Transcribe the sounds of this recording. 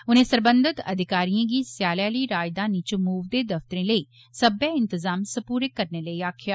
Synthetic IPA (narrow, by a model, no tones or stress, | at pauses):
ʊnẽːsəɾbənd̪ɪt̪ə̰d̪ɪkaːɾiãːɡiːsɪjaːlaːliːɾaːjɪd̪ãːniːt͡ʃmuːʋd̪eːd̪əft̪ɾẽːləiː | səbaːɪnt̪əzaːmsəpuːɾekːəɾneːləiːaːkʰjaː